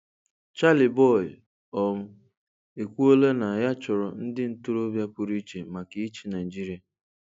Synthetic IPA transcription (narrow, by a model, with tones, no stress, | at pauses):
t͡ʃa˦lɪ˨bɔ˦˨ɪ˨ | ɔ˨m̩˦ | e˨kʷu˦o˦le˦na˨ja˦t͡ʃʊ˨ɾɔ˨n̩˦dɪ˦n̩˦tu˦ɾo˦bja˦pʊ˦ɾi˦t͡ʃe˨ma˨ki˦i˦t͡ʃi˦na˨i˨d͡ʒi˦ɾi˨a˨